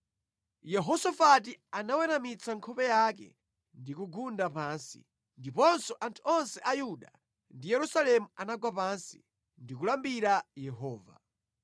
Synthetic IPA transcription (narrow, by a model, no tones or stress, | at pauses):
jɛɦɔsafatianawɛnamit͡sʰaŋkʰɔpɛjak̬ɛ̰ | ndikuɡundapaːnsḭ | ndipɔnsɔʔantʰu̥ɔnsɛʔajuɗa | ndijɛɾusalɛmuanaɡwapansḭ | ndikulambiɾajɛɦɔːva̰